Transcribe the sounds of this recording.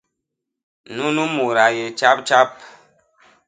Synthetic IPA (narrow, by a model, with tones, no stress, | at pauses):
nu˦nu˦mu˨ɾa˨je˨t͡ʃa˦p̚t͡ʃa˦p̚